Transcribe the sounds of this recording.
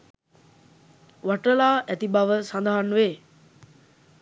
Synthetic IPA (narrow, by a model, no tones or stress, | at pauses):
ʋaʈəlaːʔæt̪ibaʋəsand̪aɦanʋeː